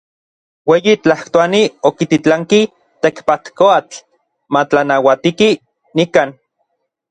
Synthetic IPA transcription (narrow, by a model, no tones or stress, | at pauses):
weːjit͡ɬaht̪oaniokit̪it͡ɬaŋki | t̪ekpat̪koat͡ɬ | mat͡ɬanawat̪iki | nikaːn